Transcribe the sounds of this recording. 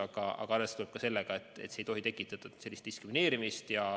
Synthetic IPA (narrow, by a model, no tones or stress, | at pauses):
ɑɡ̥ɑɑ̰ɡ̥ɑɑlːest̪uleb̥̚kɑse̞lːeɡ̥ɑe̞t̪ˑːet̪ːsejt̪o̞ɦit̪e̞kːˑit̪ːˑɑd̪̥ɑse̞lʲːist̪d̪̥iskɾimine̞ːɾimist̪jɑ